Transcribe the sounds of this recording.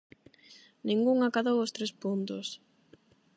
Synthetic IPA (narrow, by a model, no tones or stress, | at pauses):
nĩŋɡuŋakaðowʊst̪ɾespunt̪os